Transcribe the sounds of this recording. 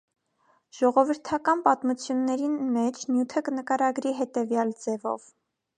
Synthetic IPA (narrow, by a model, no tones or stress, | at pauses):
ʒ̥ɔʁɔvəɾt̪ʰɑkɑnpɑt̪mut͡sʰjunːɛɾinmɛt͡ʃʰnjut̪ʰəkənəkɑɾɑɡɾiɦɛt̪ɛvjɑld͡zɛvɔ̰v